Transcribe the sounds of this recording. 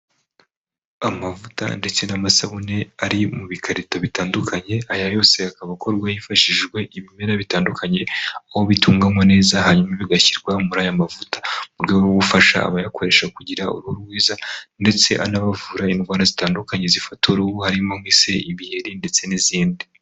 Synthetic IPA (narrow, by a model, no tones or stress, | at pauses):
amavuta̰nde̞t͡se̞namasaβone̞aɾimuβikʰaɾitoβitaːndukʰaɲe̞ajajo̞ːse̞akaβako̞ɾɡwajifaʃiʒɡwe̞ʔiβime̞ɾaβitaːndukʰaɲe̞aho̞βituːŋɡamo̞ne̞ːzaɦaɲumaβiɡaçiɾɡwamuɾajamavutḁmuɾɡewoɡufaʃa̰ːβajakʰo̞ɾe̞ʃakuɟiɾaṵɾuhoɾuɾɡwiːzande̞t͡se̞ʔanaβavuːɾainɡwaːɾazitaːndukaɲe̞zifatoɾuuhaɾimomwiːse̞iβiheɾinde̞t͡se̞niziːndi